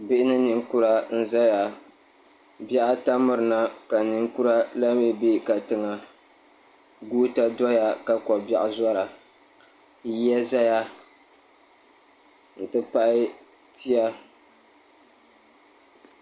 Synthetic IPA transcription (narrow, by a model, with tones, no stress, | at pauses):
bɪ˦ʔɪ˦nɨ˦nɨ˨ŋ˦ku˦ɾa˦n̩˦za˦ja˨ | bɛ˦ʔa˦ta˦mɨ˨ɾɨ˨na˦ka˨nɨ˨ŋ˦ku˦ɾa˦la˦me˦be˦ka˨tɨ˨ŋa˨ | ɡuː˦ta˦dɔ˦ja˦ka˨kɔ˨ba̰˨ʔza˦ɾa˨ | ji˦ja˦za˦ja˦ | n̩˨tɨ˦pa˦ʔɪ˦ | ti˦a˦